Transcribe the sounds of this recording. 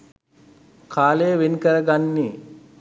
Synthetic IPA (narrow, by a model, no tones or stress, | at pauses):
kʰaːleːʋenikəɾɐɡanːi